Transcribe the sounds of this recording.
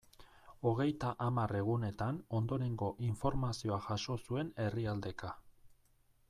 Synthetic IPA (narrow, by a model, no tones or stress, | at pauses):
o̞ɣ̞e̞jt̪aʔamare̞ɣ̞une̞t̪ano̞nd̪o̞ɾe̞ŋɡo̞ʔiɱfo̞ɾmasio̞aʝaʃo̞sue̞ne̞riald̪e̞ka